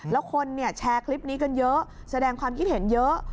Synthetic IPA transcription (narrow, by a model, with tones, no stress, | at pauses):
lɛː˨˦˥wxʰo˧nːi˧˩ət͡ɕʰaː˧kʰli˦˥p̚ni˨˦˥kə˧njəː˨˦˥ | sa˧ɗɛː˧ŋkʰwaː˧mki˦˥t̚he˨˩˦njəː˨˦˥